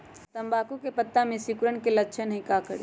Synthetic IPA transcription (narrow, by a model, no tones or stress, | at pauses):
t̪əmbakukepət̪ːamesikuɾəɳkelətːt͡ʃʰənɦikakəɽi